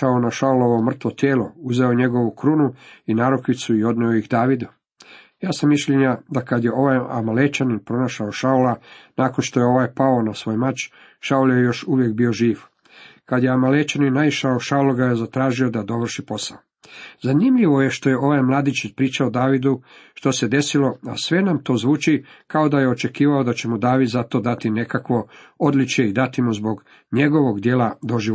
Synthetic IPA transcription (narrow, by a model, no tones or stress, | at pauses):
aonaʃauloʋomr̩t̪ʋo̞t̪jeːlo̞uzeoɲe̞ɡo̞ʋukɾunuinaːɾokʋit̪suio̞d̪neojixd̪aːʋid̪u | jaːsamːiʃʎeɲad̪akad̪je̞ʔo̞ʋaja̰malet͡ʃaninpɾo̞naʃaoʃaulanaːko̞nʃt̪o̞jeo̞ʋajpao̞nasʋoːjmat͡ʃ | ʃauljejo̞ʃuʋjekbio̞ʒiːʋ | kad̪jeamaleːt͡ʃaninajiʃaoʃaoloɡajezat̪ɾaːʒio̞d̪ad̪o̞ʋr̩ʃipo̞sa̰o | zanimʎiʋo̞je̞ʃt̪o̞je̞ʔo̞ʋajmlˠaːd̪it͡ʃipɾiːt͡ʃaod̪aːʋid̪uʃt̪o̞se̞d̪e̞silo̞a̰sʋe̞namt̪o̞ːzʋuːt͡ʃikao̞d̪aje̞ot͡ʃe̞kiːʋaod̪at͡ɕe̞mud̪aːʋid̪zat̪o̞d̪at̪ine̞kakʋo̞od̪lit͡ʃjeid̪at̪imuzbo̞ɡ | ɲe̞ɡo̞ʋo̞ɡd̪jeːlˠad̪o̞ʒi